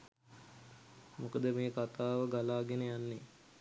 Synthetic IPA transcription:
mukəd̪əmeːkat̪aːʋəɡalaːɡenəjanːe

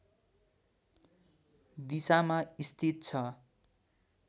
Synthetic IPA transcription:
d̪isamaist̪ʰit̪̚t͡sʰʌ

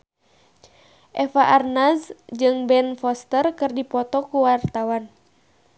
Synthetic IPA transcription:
ʔɛfaʔarnasd͡ʒɨŋbɛnfɔst̪ərkɨrdipɔt̪ɔkuwart̪awan

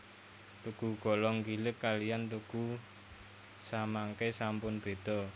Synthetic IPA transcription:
t̪uɡ̥uɡ̥ɔ̤lɔŋkilɪkːalijant̪uɡ̥u | samaŋkesampʊnb̥e̤d̪̥ɔ̤

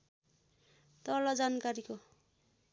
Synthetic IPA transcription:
t̪ʌlʌd͡zankaɾiko

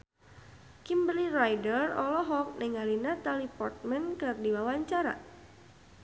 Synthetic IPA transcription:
kimbəlirajdərɔlɔɦɔk̚nɪŋalinat̪alipɔrt̪̚mɛnkɨrdiwawaɲt͡ʃaɾa̰

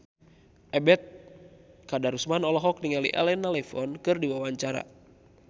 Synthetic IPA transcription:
ʔɛbɛt̪̚ | kadaɾusmanɔlɔɦɔk̚niŋalḭʔɛ̰lɛnːalɛfɔnkɨrdiwawaɲt͡ʃaɾa̰

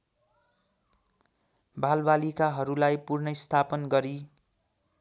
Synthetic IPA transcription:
balbalikaɦʌɾulajpurnʌist̪ʰapʌnɡʌɾi

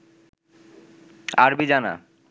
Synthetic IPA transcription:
aɾbid͡ʑana̰

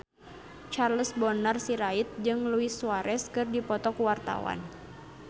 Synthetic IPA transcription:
t͡ʃarləsbɔnarsiɾait̪̚d͡ʒɨŋluisuaɾɛskɨrdipɔt̪ɔkuwart̪a̰wa̰n

